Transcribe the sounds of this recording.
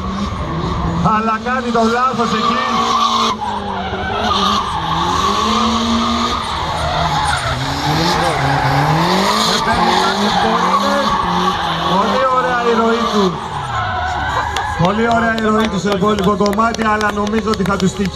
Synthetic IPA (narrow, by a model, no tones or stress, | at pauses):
ɐlɐkɐnit̪o̞lɐθoseci | et̪eninɐsispoɾie | po̞lio̞ɾeɐiɾo̞it̪u | po̞lio̞ɾeɐiɾo̞it̪useopolikoko̞mɐt̪iɐlɐno̞mizot̪̬ixɐt̪ust̪i